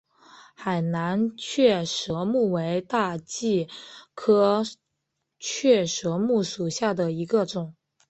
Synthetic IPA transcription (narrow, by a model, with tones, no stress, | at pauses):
xa˨˩ɪna˧˥nt͡ɕʰɥɛ˥˩ʂɤ˧˥mu˥˩we˧˥ɪt̪a˥˧t͡ɕi˥˩kʰɤ˥ | t͡ɕʰɥɛ˥˩ʂɤ˧˥mu˥˩ʂu˨˩ɕja˥˩d̪ə˩i˧˥ɡə˧ʈ͡ʂʊ˨˩˦ŋ